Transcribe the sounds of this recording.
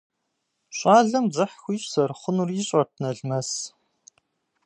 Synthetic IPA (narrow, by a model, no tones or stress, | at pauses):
ɕʷʼaːɮɐmzɨħxʷiːsɐrχʷʊnuriːɕʼɐrtʰnɐɮmɐs